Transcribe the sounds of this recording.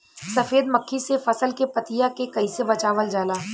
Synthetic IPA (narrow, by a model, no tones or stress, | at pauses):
sɐfeːd̪mɐkʰːisefɐsəlkepɐt̪ijakekɐisebɐt͡ʃaːʋəld͡ʒaːlaː